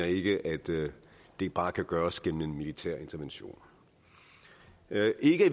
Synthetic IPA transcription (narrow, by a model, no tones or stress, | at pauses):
ɐe̝ɡ̥əʔæd̥d̥e̝ɡ̥b̥ɑ̈ːkʰæɡ̥ɶːɐsɡ̥en̰m̩e̝nmilit͡sʰæɐ̰e̝nt͡sʰɐʋenɕo̝̰ːn | ʔe̝ɡ̥ə